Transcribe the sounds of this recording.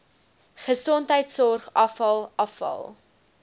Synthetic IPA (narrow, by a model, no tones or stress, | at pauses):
χəsɔntɦəjtsɔrχɐfɐlˠɐfɐ̰lˠ